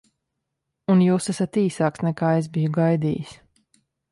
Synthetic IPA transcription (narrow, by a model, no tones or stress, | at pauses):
unjuːsasat̪iːsaːksnɛkaːezbijuɡajd̪ḭːjis